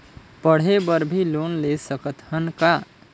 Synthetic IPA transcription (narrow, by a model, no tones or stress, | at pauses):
pəɽ̤ɦebəɾbʱilonlesəkət̪hənka